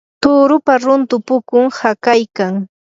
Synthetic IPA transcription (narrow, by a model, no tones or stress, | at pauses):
t̪ʊːɾʊpaɾʊnt̪ʊpʊkʊŋhakajkaŋ